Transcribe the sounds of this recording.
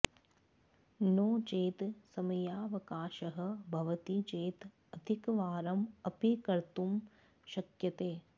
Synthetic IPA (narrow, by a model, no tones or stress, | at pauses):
noːt͡ʃeːt̪sɐmɐjaːʋɐkaːʃɐɦɐ̆bʱɐʋɐt̪it͡ʃeːt̪ | ɐd̪ʱikɐʋaːɾɐmɐpikɐɾt̪um | ʃɐkjɐt̪eː